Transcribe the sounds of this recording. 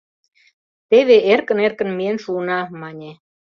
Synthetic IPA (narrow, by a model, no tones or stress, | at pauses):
t̪eβeʔerkə̆nerkə̆nmienʃuənɑmɑnʲe